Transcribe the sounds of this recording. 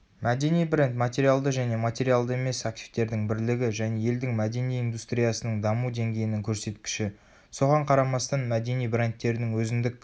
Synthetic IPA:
mæd̪e̞nijbre̞nt̪mat̪ʲe̞ɾialˠd̪əʒæne̞mat̪ʲe̞ɾijalˠd̪əe̞me̞sak̚t̪ʲi̥ft̪e̞ɾd̪ɪŋbɪɾlɪɡʲɪʒæne̞je̞ld̪ɪŋmæd̪e̞nijind̪ust̪ɾijasənəɴd̪ɑmud̪e̞ŋɡʲe̞jɪnɪŋkʲʰɵɾse̞t̪kʲɪ̥ʃɪ | so̞ʁɑɴqʰɑɾɑmɑst̪ɑnmæd̪e̞nijbre̞nt̪ːe̞ɾɪnɪŋwɵzɪnd̪ɪkʲ

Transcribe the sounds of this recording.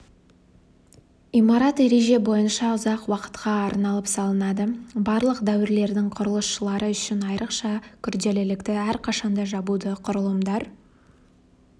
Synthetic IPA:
imɑɾɑt̪e̞ɾe̞ʒe̞bo̞jənʃɑʊzɑqwɑqə̥t̪qʰɑːɾnɑlˠəpsɑlˠənɑd̪əbɑɾlˠəqd̪æwɪɾle̞ɾd̪ɪŋqʰʊɾəlˠəsʃəlˠɑɾəʏʃɪnɑjɾʔəqʃɑkʲʰʏɾd̪e̞lɪlɪkt̪ɪæɾqʰɑʃɑnd̪ɑʒɑbud̪əqʰʊɾəlˠəmd̪ɑɾ

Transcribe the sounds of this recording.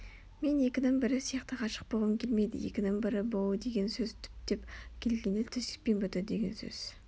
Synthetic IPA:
me̞nje̞kʲɪnɪŋbɪɾɪsijɑqt̪əqʰɑʃə̥q̚bolˠʁəŋkʲʰe̞lme̞jd̪ɪ̰jḛkʲɪnɪŋbɪɾɪbolˠəd̪e̞ɡʲe̞nsɵzt̪ʰʏ̥p̚d̪̥e̞pkʲʰe̞lɡʲe̞nɪlt̪ʰʏzt̪ɪ̥k̚pe̞nbʏt̪ɪd̪e̞ɡʲe̞nsɵ̰z̥

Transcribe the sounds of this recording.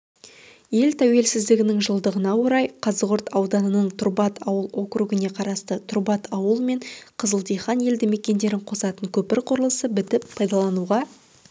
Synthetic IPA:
je̞lt̪ʰæwe̞lsɪzd̪ɪɡʲɪnɪŋʒəlˠd̪əʁənɑwo̞ɾɑjqʰɑzəʁʊɾt̪ʰɑwd̪ɑnənəɴt̪ʰʊɾbɑt̪ɑwəlˠo̞kɾuɡɪne̞qʰɑɾɑst̪ət̪ʰʊrbɑt̪ʰɑwəlˠme̞ɴqʰəzəlˠt̪ijχɑnje̞ld̪ɪme̞kʲe̞nd̪e̞ɾɪɴqʰo̞sɑt̪əɴkʲʰɵpɪɾqʰʊɾəlˠəsəbɪt̪ɪpʰːɑjd̪ɑlˠɑnuʁɑ

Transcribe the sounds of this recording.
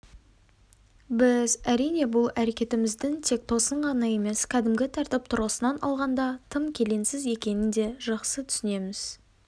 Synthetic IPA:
bɪzæɾijne̞bʊlˠæɾe̞kʲe̞t̪ɪmɪzd̪ɪŋt̪ʰe̞k̚t̪ʰo̞səɴʁɑnɑje̞me̞skʲʰæd̪ɪmɡʲɪt̪ʰɑɾt̪ɪp̚t̪ʰʊɾəsənɑnɑ̰lˠʁɑnd̪ɑt̪ʰəmkʲʰe̞le̞nsɪze̞kʲe̞nɪnd̪e̞ʒɑqsət̪ʰʏ̥sɪne̞mɪz̥

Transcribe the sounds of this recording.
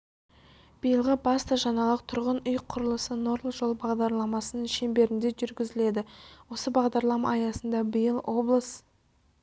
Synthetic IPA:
b̥ijəlˠʁəbɑst̪ɑʒɑnɑlˠəqt̪ʰʊɾʁənʊjqʰʊɾəlˠəsəno̞ɾlˠʒo̞lˠbɑʁd̪ɑɾlˠɑmɑsənəɴʃe̞mbe̞ɾɪnd̪e̞ʒʏɾɡʲɪzɪle̞d̪ɪwo̞səbɑʁd̪ɑɾlˠɑmɑːjɑsənd̪ɑbijəlˠo̞blˠəs

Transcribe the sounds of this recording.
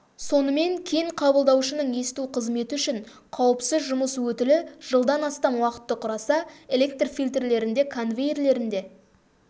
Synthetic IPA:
so̞nəme̞ŋkʲʰejɪŋqʰɑbəlˠd̪ɑwʃənəɴje̞sɪt̪uqʰəzme̞t̪ɪʏʃɪɴ | qʰɑwəpsɪzʒʊməswɵt̪ɪlɪʒ̥əlˠd̪ɑnɑst̪ɑmwɑqə̥t̪ːəqʰʊɾɑsɑe̞lʲe̞k̚t̪rfijlʲt̪rle̞ɾɪnd̪e̞kʰonvʲejrle̞ɾɪnd̪e̞

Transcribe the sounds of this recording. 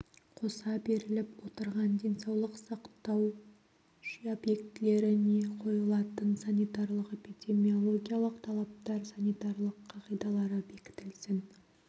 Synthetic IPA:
qʰo̞sɑbe̞ɾɪlɪpwot̪əɾʁɑnd̪e̞jnsɑwlˠəqsɑqt̪ɑw | ʃiobje̞kt̪ɪle̞ɾɪneqʰo̞jəlˠɑt̪ənsanʲijt̪ɑrlˠəqepʲijd̪ʲe̞mio̞lˠo̞ɡʲijalˠəqt̪ʰɑlˠɑp̚t̪ɑɾsanʲijt̪aɾlˠəqʰːɑʁijd̪ɑlˠɑɾəbe̞kʲɪ̥t̪ɪlsɪn

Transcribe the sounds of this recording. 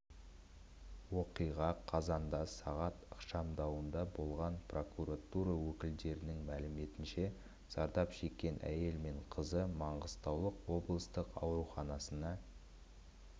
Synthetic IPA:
wo̞qijʁɑqʰɑzɑnd̪ɑsɑʁɑt̪əqʃɑmd̪ɑwənd̪ɑbo̞lˠʁɑnpro̞kuɾat̪uɾɑwɵkʲɪld̪e̞ɾɪnɪŋmælɪme̞t̪ɪnʃe̞ | z̥ɑɾd̪ɑpʃe̞kʲːe̞nʔæ̰je̞lme̞ɴqʰəzəmɑɴʁəzst̪ɑwlˠəqwo̞blˠəst̪əqɑ̰wɾuχɑnɑsənɑ

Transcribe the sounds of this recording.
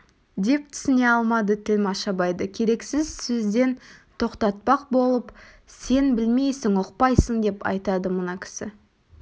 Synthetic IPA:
d̪e̞p̚t̪ʰɪ̥sɪne̞ɑlˠmɑd̪ət̪ʰɪlmɑʃɑbɑjd̪əkʲʰe̞ɾe̞ksɪzsɵzd̪e̞nt̪ʰo̞qt̪ɑt̪̚pɑq̚bo̞lˠəp | se̞nbɪlme̞jsɪŋoqpɑjsəɴd̪e̞pɑ̰jt̪ɑd̪əmənɑkʲʰɪ̥sɪ

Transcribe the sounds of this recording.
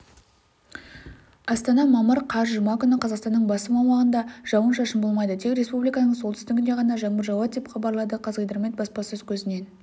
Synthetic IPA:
ɑst̪ɑnɑmɑməɾqʰɑzʒumɑkʲʏnɪqʰɑzɑqst̪ɑnːəɴbɑsəmɑwmɑʁənd̪ɑʒ̥ɑwənʃɑʃəmbo̞lˠmɑjd̪ət̪ʰe̞kɾe̞spublijkɑnəɴsolˠt̪ʰʏ̥st̪ɪɡʲɪne̞ʁɑnɑʒɑɴbəɾʒɑwɑt̪̚d̪epχɑbɑɾlˠɑd̪əqʰɑzʁəjd̪əɾme̞t̪̚bɑspɑsəɵzkʲʰɵzɪne̞n

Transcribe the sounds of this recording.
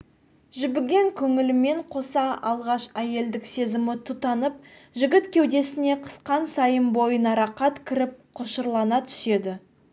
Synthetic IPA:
ʒʏbɪɡʲe̞ŋkʲʰɵŋɪlɪme̞ɴqʰo̞sɑɑlˠʁɑʃæje̞ld̪ɪkse̞zɪmɪt̪ʰut̪ɑnəp̚ʒɪɡʲɪt̪kʲʰe̞wd̪e̞sɪne̞qʰə̥sqɑnsɑjəmbo̞jənɑɾɑqɑt̪kʲʰɪɾɪp̚qʰoʃəɾlˠɑnɑt̪ʰʏ̥se̞d̪ɪ

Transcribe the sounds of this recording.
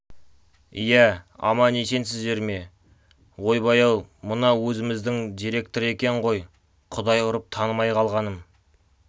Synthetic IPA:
ijæɑ̰mɑnese̞nsɪzd̪e̞ɾme̞ | wo̞jbɑjɑw̪ˠmənɑwɵzɪmɪzd̪ɪŋd̪ijɾe̞k̚t̪oɾekʲe̞ʁo̞j | qʰʊd̪ɑjqʊɾəp̚t̪ʰɑnəmɑjqʰɑlˠʁɑnəm

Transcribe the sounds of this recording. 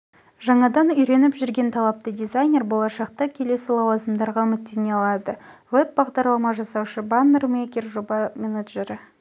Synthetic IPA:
ʒɑɴɑd̪ɑnʏjɾe̞nɪpʒʏɾɡʲe̞nt̪ʰɑlˠɑp̚t̪əd̪ʲijzajnʲe̞rbo̞lˠɑʃɑq̚t̪ɑkʲʰe̞le̞sɪlˠɑwɑzəmd̪ɑɾʁɑmɪt̪ːeneɑlˠɑd̪əveb̚bɑʁd̪ɑɾlˠɑmɑʒɑsɑwʃəbanːrmekʲerʒo̞bɑmʲenaʒeɾ

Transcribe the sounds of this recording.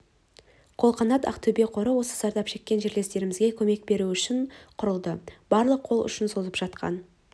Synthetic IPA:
qʰo̞lˠχɑnɑt̪ɑ̰qt̪ʰɵbe̞qʰo̞ɾəwo̞sə̥zɑɾd̪ɑpʃe̞kʲːe̞nʒe̞ɾle̞st̪e̞ɾɪmɪzɡʲe̞kʲʰɵme̞k̚be̞ɾuʏʃɪɴqʰʊɾəlˠd̪əb̥ɑɾlˠəqʰːo̞lˠʏ̰ʃɪnso̞zəpʒ̥ɑt̪qɑ̰n

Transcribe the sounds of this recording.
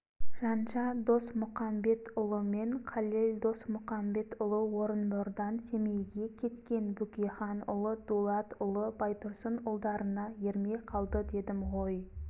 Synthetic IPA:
ʒ̥ɑnʃɑd̪o̞smʊχɑmbe̞t̪ʰʊlˠəmeɴqʰɑlˠeld̪o̞smʊχɑmbe̞t̪ʊlˠəwo̞ɾənboɾd̪ɑnse̞mejɡʲe̞kʲʰe̞t̪kʲe̞nbʏkʲiχɑnʊ̰lˠəd̪̥ulˠɑt̪ʊlˠəbɑjt̪ʊɾsənʊlˠd̪ɑɾənɑjeɾme̞jqʰɑlˠd̪əd̪e̞d̪ɪmʁoj

